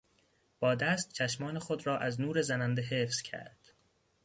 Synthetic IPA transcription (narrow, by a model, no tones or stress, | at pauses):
b̥ɒːd̪æst̪̚t͡ʃʰæʃmɒːnexo̞d̪ɾɒːʔæznuːɾe̞zænænd̪eɦeːfz̥cʰæ̰ɾd̪̥